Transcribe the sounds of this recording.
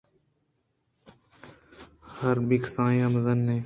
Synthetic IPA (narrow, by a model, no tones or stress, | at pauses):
həɾbiksãːjãːməzənːẽː